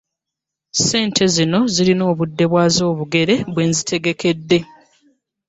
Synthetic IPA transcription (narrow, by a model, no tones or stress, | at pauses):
se̞ːntʰe̞zino̞zilino̞ːβudːe̞βwaːzo̞ːβuɡe̞ɾe̞βwe̞ːnzitʰe̞ɡe̞ke̞dːe̞